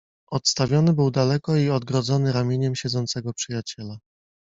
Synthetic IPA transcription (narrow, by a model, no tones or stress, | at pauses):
ɔt̪st̪avʲjɔnɘbɘwd̪alɛkɔiɔd̪̚ɡɾɔd̪zɔnɘɾamʲjeɲɛmɕɛd̪zɔnt̪sɛɡɔpʂɘjat͡ɕɛla